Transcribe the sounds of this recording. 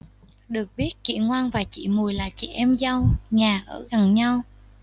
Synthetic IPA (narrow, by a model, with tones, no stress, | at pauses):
ɗɨ˨˩ək̚ɓi˦˥ət̚kḭ˧˨ŋwaː˧nvaː˨˩t͡ɕḭ˧˨mu˨˩əjlaː˨˩t͡ɕḭ˧˨ʔɛ˧mza˧wɲaː˨˩ʔəː˧˩ɣa˨˩nɲa˧w